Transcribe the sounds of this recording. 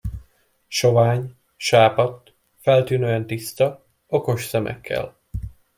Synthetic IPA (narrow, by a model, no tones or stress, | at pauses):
ʃo̞vaːɲ | ʃaːpɒt̪ | fɛlt̪yːnøːɛnt̪ist̪ɒ | oko̞ʃsɛmɛ̰kːɛ̰l